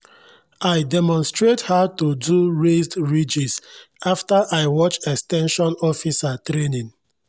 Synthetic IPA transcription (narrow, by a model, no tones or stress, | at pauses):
ajdɛmɔ̃nstɹethatuduɹesdɹid͡ʒisaftaʔaɪwɔt͡ʃɛkstɛ̃nʃɔ̃nɔfisatɾenĩŋ